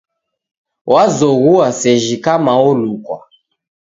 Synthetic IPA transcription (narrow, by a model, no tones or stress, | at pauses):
wazɔɣuasɛʒikamaɔlukwa̰